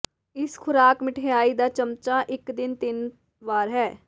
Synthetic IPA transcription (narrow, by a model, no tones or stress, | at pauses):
ɪskʰʊɾaːkmɪʈʰejaːid̪aːt͡ʃəmt͡ʃaːʔɪkd̪ɪnt̪ɪn | ʋaːɾɦɛː